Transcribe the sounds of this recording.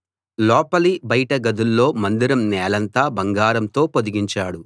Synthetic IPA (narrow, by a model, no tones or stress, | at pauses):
lɔːpɐlibɐjʈɐɡɐd̪ulːo̞ːmɐnd̪iɾɐmnɛːlɐnt̪aːbɐŋɡaːɾɐmt̪o̞ːpod̪iɡiɲt͡ʃaːɽu